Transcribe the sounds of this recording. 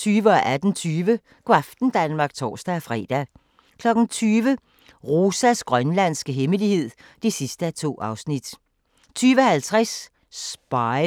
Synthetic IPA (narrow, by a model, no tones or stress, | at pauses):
t͡sʰyːʋəɒ̽ʔæd̥n̩t͡sʰyːʋə | ɡ̥wafd̥n̩d̥ænmɑ̈ːɡ̥̚t͡sʰɒ̰ːsd̥æfʁɛ̰ːd̥æ | kʰlɒ̽ɡ̥n̩t͡sʰyːʋə | ʁo̝ːsæsɡ̥ʁɶnlæn̰sɡ̥əɦeməlihe̝ð̞̰ˠ | d̥esisd̥əæt͡sʰo̝̰ːɑ̈ʊsnid̥ | t͡sʰyːʋəhælt͡sʰʁas | sb̥ɑɪ